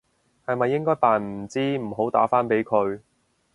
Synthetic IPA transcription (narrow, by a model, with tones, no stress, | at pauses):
hɐ˨jmɐ˨jːɪ˥ŋkɔː˥jt̪aː˨nm̩˨˩t͡siː˥m̩˨˩ɦo˨˥wt̪a̰ː˨˥faː˥npe˨˥jkʰɵ˨˧ɥ